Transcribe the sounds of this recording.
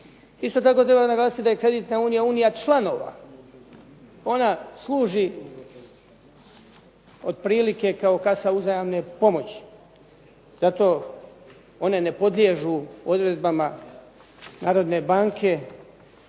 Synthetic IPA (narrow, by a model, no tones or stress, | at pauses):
ist̪o̞t̪ako̞t̪ɾe̞banaɡlaːsit̪id̪ajekɾe̞d̪it̪nauːnijauːnijat͡ʃlˠano̞ːʋa̰ | o̞naslˠuːʒi | od̪̚pɾiːlike̞kao̞kasauzajamne̞po̞mo̞t͡ɕi̥ | z̥at̪o̞ː | o̞ne̞ne̞po̞d̪lʲjeʒuo̞d̪ɾe̞d̪̚bama | naːɾo̞d̪ne̞baːŋkʰe̞